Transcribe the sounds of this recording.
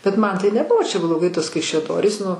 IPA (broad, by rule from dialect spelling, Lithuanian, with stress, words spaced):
bʲɛt ˈmɐn tɐɪ nʲɛˈbʊʋoː t͡ʃʲɛ blˠoːˈɡɐɪ ˈtuɔs kɐɪʃʲɛˈdoːrʲiːs nʊ